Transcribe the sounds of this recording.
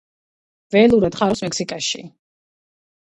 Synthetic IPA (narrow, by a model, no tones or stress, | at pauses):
vɛlˠuɾɛd̪χaɾɔsmɛksikʼaʃḭ